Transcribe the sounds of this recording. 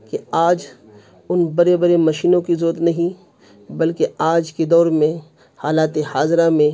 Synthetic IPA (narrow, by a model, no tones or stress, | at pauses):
keaːd͡ʒ | ʊnbɐɾebɐɾemɐʃiːnõkizoːt̪nɐɦĩ | bɐlkeaːd͡ʒked̪ɔːɾmẽ | haːlaːt̪ehaːzɾamẽ